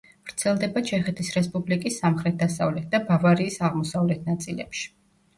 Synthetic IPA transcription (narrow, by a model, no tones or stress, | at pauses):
vɾt̪sʰɛlˠd̪ɛbat͡ʃʰɛχɛt̪ʰisɾɛspʼublikʼisːamχɾɛt̪̚ʰd̪asavlɛt̪̚ʰd̪abavaɾiːsaʁmɔsavlɛt̪ʰnat̪sʼilɛ̰pʃi̥